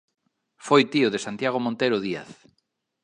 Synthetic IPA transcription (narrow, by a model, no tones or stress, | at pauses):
fojt̪iʊðesant̪jaɣ̞omõnt̪ejɾoðia̰θ